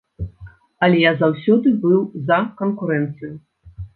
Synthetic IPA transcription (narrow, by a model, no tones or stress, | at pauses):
ɐlʲɛjazawsʲɔd̪ɨbɨwzɐkɐnkuɾɛnt̪sɨju